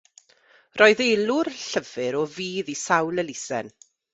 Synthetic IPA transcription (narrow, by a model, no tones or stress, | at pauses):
rɔːɨðelˠʊrɬəv̥ɨɾɔviːðisawlˠɛlɪsɛ̰n